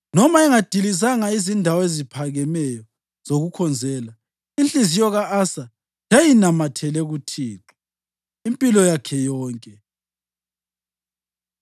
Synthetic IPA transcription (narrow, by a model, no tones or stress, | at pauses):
nɔmaɛŋad̥ʱilizaŋaizindʱawezipʰaɣɛmɛjɔ | z̥oɣukʰɔnd͡zʱɛːla | int͡ɬʼizijɔɣaasa | d͡ʒajinamatʰɛlɛɣutʰiːǁi̥ | impʼilɔjakʰɛjɔːŋkʼɛ